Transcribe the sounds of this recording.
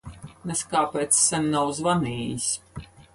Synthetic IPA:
nɛskaːpɛːt̪sːɛnʲːawzvaniːjis

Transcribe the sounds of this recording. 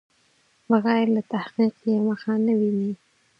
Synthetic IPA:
baɣajlat̪ahqiqjaməxanəwini

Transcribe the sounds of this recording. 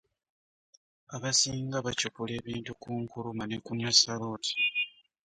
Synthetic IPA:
aβasiːŋɡaβacopule̞ːβiːntukuːŋkulumanekunasaloːti̥

